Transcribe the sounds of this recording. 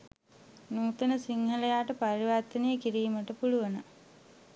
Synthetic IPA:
nuːt̪ənəsiŋhɐlejaːʈəpɐɾiʋaɾt̪ːənejəkiɾiːməʈəpuluʋənə

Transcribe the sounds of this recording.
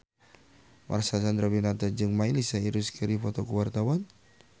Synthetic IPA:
mʔa̰rsasand̪ɾabinat̪ad͡ʒɨŋmailisaiɾuskiɾifɔt̪ɔkuwart̪awan

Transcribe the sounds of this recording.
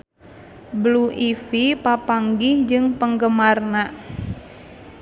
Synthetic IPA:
bluʔifipapaŋɡihd͡ʒɨŋpəŋɡəmarna

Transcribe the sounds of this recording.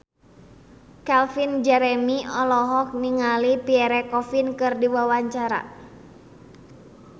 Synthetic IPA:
kɛlfind͡ʒɛɾɛmiɔlɔɦɔk̚niŋalipiɛɾɛkɔfinkɨrdiwawaɲt͡ʃaɾa̰

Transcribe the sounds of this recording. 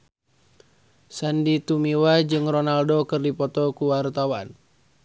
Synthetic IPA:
sandit̪umiwad͡ʒɨŋrɔnaldɔkɨrdipɔt̪ɔkuwart̪awan

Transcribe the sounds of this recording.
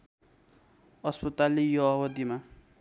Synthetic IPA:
ʌspʌt̪alijoʌwʌd̪ima

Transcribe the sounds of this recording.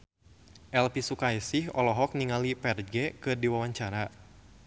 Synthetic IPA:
ʔɛlpisukajsɪhɔlɔɦɔk̚niŋalipɛrɡɛkɨrdiwawaɲt͡ʃaɾa

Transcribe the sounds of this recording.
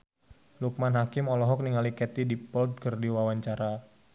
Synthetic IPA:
luk̚manɦakɪmɔlɔɦɔk̚niŋalikɛt̪idipɔld̪̚kərdiwawaɲt͡ʃaɾa

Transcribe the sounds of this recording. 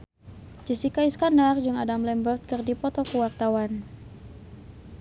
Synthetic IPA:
d͡ʒisikaiskandard͡ʒɨŋadamlɛmbərt̪̚kɨrdipɔt̪ɔkəwakt̪awan

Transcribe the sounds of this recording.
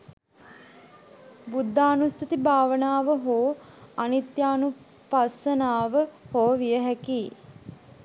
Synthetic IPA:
bud̪ʱːaːnusit̪ibʱaːʋənaːʋəɦoːanit̪jaːnu | pasənaːʋəhoːʋijəɦækiː

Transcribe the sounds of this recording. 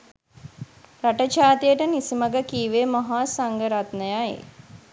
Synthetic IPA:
ɾaʈət͡ʃaːt̪ijəʈənisiməɡəkiːʋemɐɦaːsaŋɡəɾat̪nəjaḛ

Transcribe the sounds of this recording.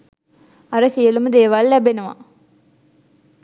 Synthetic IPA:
ɐɾəsijəlumud̪eːʋalːæbenuʋa̰

